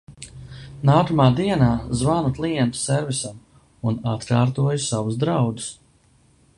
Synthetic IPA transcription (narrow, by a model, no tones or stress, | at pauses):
naːkamaːd̪iɛnaːzvanuk̪lˠiɛnt̪u̥sɛɾvisam | unat̪kaːɾt̪uɔjusavuzd̪ɾawd̪u̥s